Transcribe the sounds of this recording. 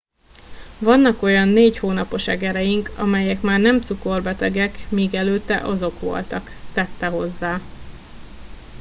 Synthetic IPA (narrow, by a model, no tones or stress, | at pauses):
vɒnːɒko̞jɒnːeːchoːnɒpo̞ʃɛɡɛɾɛjiŋkɒ̰mɛjɛkmaːrnɛmt̪suko̞rbɛt̪ɛɡɛkmiːɡɛløːt̪ːɛ̰ʔɒzo̞kʋo̞̰lt̪ɒkt̪ɛt̪ːɛɦo̞zːaː